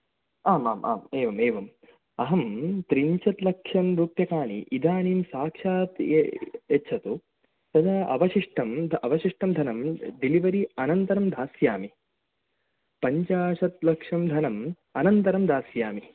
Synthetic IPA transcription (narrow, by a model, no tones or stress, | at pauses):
aːmaːmʔa̰ːmeːʋɐmeːʋɐm | ɐɦɐmt̪ɾiɲt͡ʃɐt̪lɐkʂɐmɾuːpjɐkaːnḭʔid̪ʱaːniːmsaːkʂaːt̪jɐːʃʰɐt̪u | t̪ɐd̪aːʔɐ̰ʋɐʃiʂʈʰɐmd̪ʱɐʋɐʃiʂʈʰɐmd̪ʱɐnɐmɖiliʋɐɾiɐnɐnt̪ɐɾɐmd̪ʱaːsjaːmi | pɐɲt͡ʃaːʂɐt̪̚lɐkʂɐmd̪ʱɐnɐm | ɐnɐnt̪ɐɾɐmd̪ʱaːsjaːmi